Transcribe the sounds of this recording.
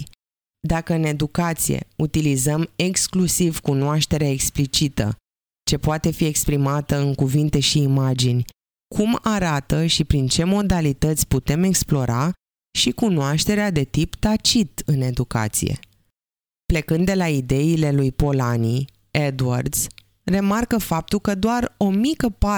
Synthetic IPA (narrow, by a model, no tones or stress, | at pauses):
d̪akəɨne̞d̪ukat̪sijḛut̪ilizəme̞ksklusivkunoaʃt̪e̞ɾeaeksplit͡ʃit̪ə̰ | t͡ʃe̞poat̪e̞fie̞kspɾimat̪əɨŋkuvint̪e̞ʃiːmad͡ʒinʲ | kʰumaɾat̪əʃipɾint͡ʃe̞mo̞d̪alit̪ət̪sʲput̪e̞me̞ksplo̞ɾa | ʃikunoaʃt̪e̞ɾead̪e̞t̪ipt̪at͡ʃit̪ɨne̞d̪uka̰t̪sḭje̞̰ | ple̞kɨnd̪ːe̞laid̪e̞ile̞lujpo̞lani | ed̪ua̰rd̪s | re̞markəfap̚t̪ulkəd̪oaro̞mikəpa